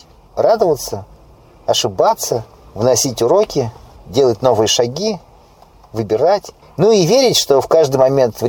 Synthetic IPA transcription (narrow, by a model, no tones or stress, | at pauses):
rad̪əvət̪sə | ɐʂɨbat̪sə | vnɐsʲitʲʊɾo̞kʲɪdʲe̞lˠət̚ʲno̞vɨjəʂɐɡʲi | vɨbʲɪɾatʲ | nuivʲeɾʲɪtʲʂt̪o̞fkaʐd̪ɨjmɐmʲe̞nt̪vɾʲ